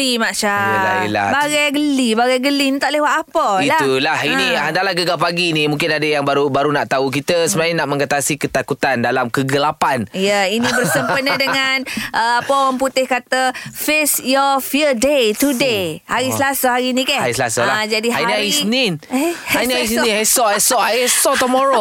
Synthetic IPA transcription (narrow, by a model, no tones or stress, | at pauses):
imaʔʃaaḭla̰baɡajɡəlibaɡajɡəlinit̪aʔləwat̪apəilaulahinihandaʔlahɡəɡapaɡinimũŋkɪnadəjaŋbaɾubaɾunaʔt̪auk̬it̪əsəmãiŋnaʔmə̃ŋat̪asikət̪akut̪andalamkəɡəlapanijəinĩbərsəmpənədəŋanʔəapəowaŋput̪ɪhkat̪afesjɔfiədet̪udehaɾisəlasəhaɾinĩkaaɾisəlasalad͡ʒadihainiaiininhaniaisnĩnhɛsɔsɔʔajɛsɔt̪umɔɾo